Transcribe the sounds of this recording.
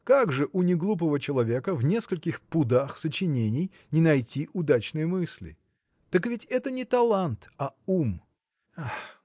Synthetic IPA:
kaɡʐɨʔʊnʲɪɡlˠup̬əvət͡ɕɪlˠɐvʲe̞kəvnʲe̞skəlʲkʲɪxpʊd̪axsət͡ɕɪnʲenʲɪj | nʲɪnɐjtʲiʔʊd̪at͡ɕnɨjəmɨsʲlʲɪ̰ | t̪əkvʲɪtʲɛt̪ənʲɪt̪ɐlˠant̪ɐum | ax

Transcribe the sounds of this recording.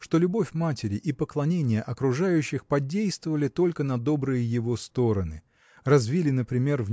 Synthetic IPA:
ʂt̪o̞lʲʊbo̞fʲmatʲɪɾʲɪʔipəklˠɐnʲenʲɪjəʔɐkɾʊʐajʉɕːɪxpɐdʲejst̪vəvəlʲɪt̪o̞lʲkənɐd̪o̞bɾɨjəjɪvo̞st̪o̞ɾənɨ̰ | rɐzvʲilʲɪnəpɾʲɪmʲe̞rv

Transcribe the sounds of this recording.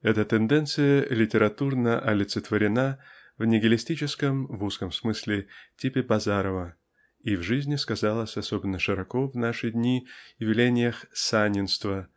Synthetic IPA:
ɛt̪ət̪ɛnd̪ɛnt̪sɨjəlʲɪtʲɪɾɐt̪urnəʔɐlʲɪt̪sɨt̪vəɾʲɪna | vnʲɪɡʲɪlʲɪsʲtʲit͡ɕɪskəmvuskəmsmɨsʲlʲɪtʲipʲɪbɐzaɾəvə | ivʐɨzʲnʲɪskɐzalˠəsʲɐsobʲɪnːəʂɨɾɐko̞vnaʂɨjd̪ʲnʲivʲɪlʲenʲɪjəxsanʲɪnst̪və

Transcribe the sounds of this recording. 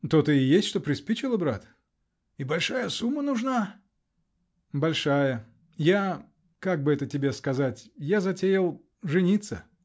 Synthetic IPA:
t̪ot̪ɨɪjesʲtʲʂt̪opɾʲɪspʲit͡ɕɪlˠəbɾat̪ | ɪbɐlʲʂajəsumːənʊʐna | bɐlʲʂajə | ja | kaɡ̚bɨɛt̪ətʲɪbʲe̞skɐzatʲjazɐtʲejɪlˠ | ʐɨnʲit̪sə̰

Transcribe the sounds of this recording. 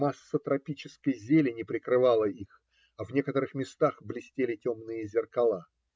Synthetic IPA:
masːət̪ɾɐpʲit͡ɕɪskəjzʲelʲɪnʲɪpɾʲɪkɾɨvalˠəix | ɐvnʲe̞kət̪əɾɨxmʲɪst̪axblʲɪsʲtʲelʲɪtʲomnɨjəzʲɪrkɐlˠa

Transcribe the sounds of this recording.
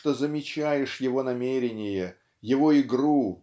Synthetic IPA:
t̪ozəmʲɪt͡ɕæjɪʂjɪvo̞nɐmʲeɾʲɪnʲɪjə | jɪvo̞ɪɡru

